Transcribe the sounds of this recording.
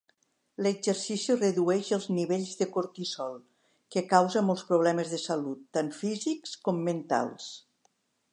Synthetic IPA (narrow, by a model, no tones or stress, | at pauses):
ləɡzəɾsisirəðuɛʃəlˠzniβeʎzðəkoɾt̪isɔlˠ | kəkawzəmɔlˠspɾuβ̞lɛməzðəsəlut̪ːanfizikskɔmːənt̪a̰lˠs